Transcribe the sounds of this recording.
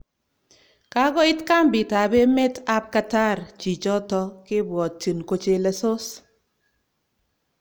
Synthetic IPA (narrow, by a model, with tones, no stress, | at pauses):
ka˦ɡɔ˦ɪ˦tka˦mbɪ˨ta˨be˦me˦ta˦p̚ka˦ta˦˨rt͡ʃi˨t͡ʃɔ˦tɔ˦kɪ˦bwɔ˨t̚t͡ʃi˨nko˦t͡ʃe˦le˨˦so˦s